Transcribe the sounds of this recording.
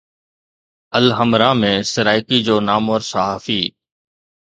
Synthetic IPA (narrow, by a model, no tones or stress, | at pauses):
əlɦəmɾãːmẽːsəɾaːɪkiːd͡ʒoːnaːmɔːɾsəɦaːfiː